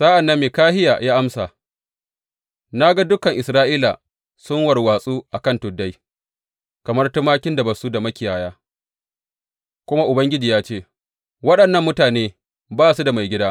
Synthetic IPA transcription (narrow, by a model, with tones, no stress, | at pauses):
sa˦ʔa˨nːɐ˦mːeː˨kaː˦hɪ˦ja̰˨jaː˦ʔa˦msa˨ | na˦ɡa˦dʊ˦kɐ˨ŋʔɪ˨sɾaː˦ʔiː˦la̰˨ | sʊ˦ŋwɐ˨rwaː˨sʼuː˦ʔa˨kɐ˦˨ntʊ˨dːa˦j | kɐ˨mɐ˦rtʊ˦maː˦kʲɪ˦nda˨bɐ˨su˦da˨mɐ˦kʲɪ˨jaː˨jaː˦ | kʷʊ˦ma˦ʔʊ˨bɐ˦ŋɡʲɪ˦d͡ʒiː˨jaː˦t͡ʃeː˦˨ | wɐ˦ɗɐ˨nːɐ˦˨mːʊ˦taː˨neː˦ | baː˦su˦da˨ma˨jɡʲɪ˦daː˦